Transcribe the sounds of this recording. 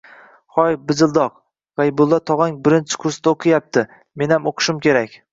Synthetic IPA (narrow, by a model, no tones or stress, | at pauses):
χɒjbɪzɪlˠd̪ɒq̚ | ʁajbʊlˠːɒt̪ʰɒʁɑŋbɪɾɪnt͡ʃʰɪ̥kʰʊɾsd̪aoqʰɨjap̚t̪ʰɪ | me̞nhamoqʰɨ̥ʃɪmkʲe̞ɾakʲ